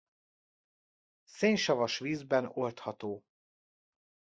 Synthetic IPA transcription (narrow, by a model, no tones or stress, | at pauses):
seːnʃɒvɒʃʋiːzbɛno̞lt̪hɒt̪oː